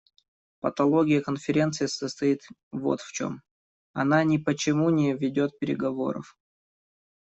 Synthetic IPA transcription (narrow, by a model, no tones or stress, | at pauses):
pət̪ɐlˠo̞ɡʲɪjəkənfʲɪɾʲe̞nt̪sɨjɪsəst̪ɐit̪ | vo̞̰t̪ft͡ɕo̞̰m | ɐ̰nanʲɪpət͡ɕɪmunʲɪvʲɪdʲo̞t̪̚pʲɪɾʲɪ̰ɡɐvo̞̰ɾə̰f